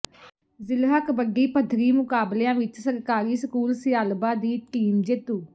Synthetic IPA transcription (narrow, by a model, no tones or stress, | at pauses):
zɪlɦəkbəɡiːpəd̪ʱɾiːmʊkaːbleãːʋɪt͡ʃsəɾkaːɾiːsəkuːlsɪjaːlbaːd̪iːʈiːmd͡ʒet̪uː